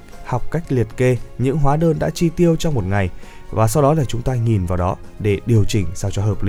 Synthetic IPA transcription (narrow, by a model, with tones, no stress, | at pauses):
ha˨˩wk͡p̚ka˦˥jk̟̚li˨˩ət̚ke˧ɲɨ̰˧˥ŋɦwaː˨˦ɗəː˧nɗa̰ː˧˥t͡ɕi˧t̪i˧əwt͡ɕɔ˧wŋ͡mmo˨˩t̚ŋa˨˩j | vaː˨˩sa˧wɗɔ˨˦laː˨˩t͡ɕʊ˨˦ŋ͡mt̪aː˧ŋi˨˩nvaː˨˩wɗɔ˨˦ɗe˧˩ɗi˨˩əwt͡ɕï˨˩ŋ̟sa˧wt͡ɕɔ˨˦ɦəː˨˩p̚lḭ˧˦˥